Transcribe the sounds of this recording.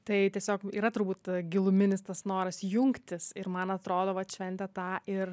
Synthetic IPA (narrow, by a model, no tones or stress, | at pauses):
t̪ɐɪtʲiɛsʲoːkḭːɾɐt̪ʊɾbuːt̪ɡʲɪlˠʊmʲɪnʲɪst̪ɐsnoːɾɐsjʊŋkt̪ʲɪsɪrmɐnɐt̪ɾoːd̪oːʋɐt̪ʃʲʋʲɛnʲt̪ʲɛt̪ɑːɪr